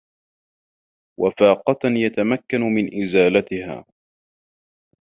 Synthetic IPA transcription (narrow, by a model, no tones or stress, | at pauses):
wʔafaːqɑt̪jat̪amakːanmɪnʔɪzaːlat̪ɪha̰ː